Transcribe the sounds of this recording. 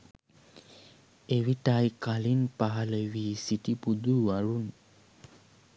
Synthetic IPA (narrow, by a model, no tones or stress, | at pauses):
eʋiʈajkalinpaɦaləʋiːsiʈipud̪uːaɭun